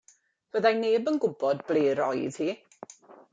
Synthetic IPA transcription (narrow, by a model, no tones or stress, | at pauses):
v̥əðajneːbənɡʊbɔdblˠeːɾɔjð̥hiː